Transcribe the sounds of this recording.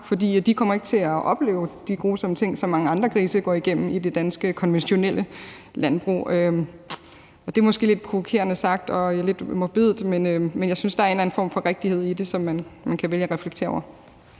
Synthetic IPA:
fɒ̽dḭːd̥ikʰɒ̽m̰ɐe̝ɡ̥t͡sʰe̝æʔɒ̽b̥le̝̰ːʊd̥iɡ̥o̝ːsɒ̽mt͡sʰe̝ŋ̰sɒ̽mːɑ̈ŋəɑ̈nd̥ʁɐkʰʁiːsɐɡ̥ɒ̰ːiɡ̥em̰m̩id̥e̝d̥ænsɡ̥əkʰɒ̽nʋenɕo̝nel̰ə | lænb̥ʁṵːø | ɒ̽d̥e̝æɐmɒ̽sɡ̥e̝̰ːled̥̚pʰʁo̝ʋo̝kʰe̝̰ːɐnəsɑ̈ɡ̥̚d̥ɒ̽le̝d̥mob̥e̝ð̰ˠdˠmenømenjɑɪsynsd̥ɑæɐe̝nlæn̩fɒ̰ːmfɒ̽ʁeɡ̥̚d̥ihe̝ð̞̰ˠid̥e̝sɒ̽mːænmænkʰæʋeljəæʁɛfleɡ̥t͡sʰḛːɐɒ̰ɐ

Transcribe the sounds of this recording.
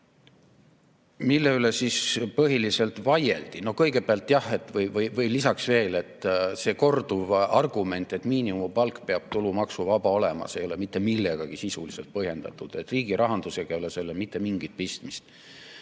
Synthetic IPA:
milːe̞yle̞sispɤɦilise̞lt̪vɑje̞̰ld̪̥ino̞kɤjɡe̞beɑlt̪ːˑjɑhe̞t̪ːˑvɤjvɤjvɤjlisɑksve̞ːle̞t̪ːˑse̞ːko̞rd̪uvɑrɡ̥ume̞nt̪ːˑe̞t̪miːniumupɑlkːpe̞ɑb̥t̪ulumɑksuvɑb̥ɑo̞lɛmɑ̰sejo̞le̞mit̪ːe̞milːe̞ɡ̥ɑɡ̥isisulise̞lt̪̚pɤhje̞nd̪̥ɑ̰t̪ːˑud̪̥e̞t̪ːˑriːɡ̥iɾʔɑɦɑnd̪̥use̞ɡ̥ɑjoleselːemit̪ˑːe̞miŋɡ̥it̪̚pist̪mist̪

